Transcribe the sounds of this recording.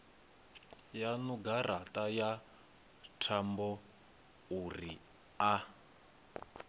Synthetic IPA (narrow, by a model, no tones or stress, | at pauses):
januɡaratʼaja | tʰambɔ | uri | a